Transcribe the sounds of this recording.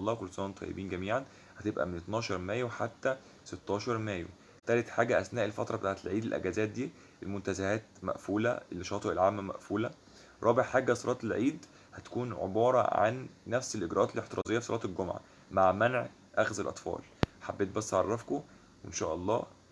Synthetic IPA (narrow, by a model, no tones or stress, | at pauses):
lˤːɑːwxolsˤɑːnmt̪ˤʰɑ̰jːḛbiːnɡæmiːʕan | hæt̪ebʔæ̰menet̪nɑːʃɑɾˤmæːjwħat̪ːæ | set̪ːɑːʃɑɾˤmæːjo̰ | t̪æːlet̪ħaːɡæʔæsnæːʔelfæt̪ɾˤɑbet̪aːʕet̪elʕiːd̪elʔæ̰ɡæzæːt̪̚d̪iː | ʔelmont̪æzæhæːt̪mæ̰ʔfuːlæ̰elːeʃɑːt̪ˤɑʔelʕaːmːæmæ̰ʔfuːlæ | ɾˤɑːbeʕħaːɡæsˤɑɾˤʔɑːt̪elʕiːd̪ | hæt̪æ̥kuːnʕḛbɑːɾˤɑ̰ʕa̰nːæfselʔeɡɾʔɑːt̪elʔeħt̪eɾˤʔɑ̰zejːɑfisɑlˤʔɑːt̪elɡomʕa̰ | maʕmænʕ | ʔæxzelʔɑt̪ˤfɑ̰ːlħabːeːt̪̚bæsːʕɑrˤːɑfko | wenʃæ̰ːʔɑlˤːɑ̰ː